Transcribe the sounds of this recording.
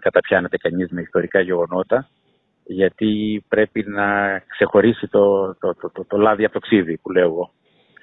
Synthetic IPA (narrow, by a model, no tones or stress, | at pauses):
kɐt̪ɐpçɐnet̪ekɐɲizme̞ist̪o̞ɾikɐʝe̞ɣo̞no̞t̪ɐ | ʝɐt̪ipɾe̞pinɐkse̞xo̞ɾisit̪ot̪ot̪ot̪ot̪olɐðiɐp̚t̪o̞ksiðipule̞oɣo̞